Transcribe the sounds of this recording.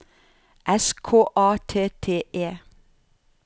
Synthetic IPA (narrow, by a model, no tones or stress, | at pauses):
ʔɛskʰoːʔɑːt̪ʰeːt̪ʰeːʔeː